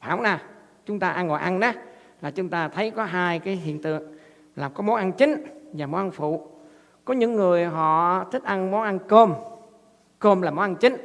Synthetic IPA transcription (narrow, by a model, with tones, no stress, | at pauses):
faː˧˩˦wnaː˨˩ | t͡ɕʊ˨˦ŋ͡mt̪aː˧ʔa˧nŋɔ̰˧˨jʔa˧nʔa˨˦ | laː˨˩t͡ɕʊ˨˦ŋ͡mt̪aː˧t̪ʰə˨˦jkɔ˨˦ɦaː˧jkaː˨˦jɦḭ˧˨ənt̪ɨ̰˧˨əŋ | laː˨˩mkɔ˨˦mo˨˦ʔa˧nt͡ɕï˨˦ŋ̟vaː˨˩mo˨˦ʔa˧nfṵ˧˨ | kɔ˨˦ɲɨ̰˧˥ŋːɨ˨˩əjɦɔ̰˧˨t̪ʰï˦˥k̟̚ʔa˧nmɔ˨˦nʔa˧nko˧m | ko˧mlaː˨˩mo˨˦nʔa˧nt͡ɕï˨˦ŋ̟